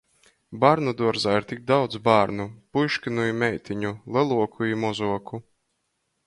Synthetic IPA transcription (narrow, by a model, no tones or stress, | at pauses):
baɾnud̪uɔɾzaːiɾt̪ʲik̚d̪awd̪zbaːɾnupujʃkʲɨnuimʲɛjt̪ʰʲiɲulˠɛlˠuɔkʰuimɔzuɔku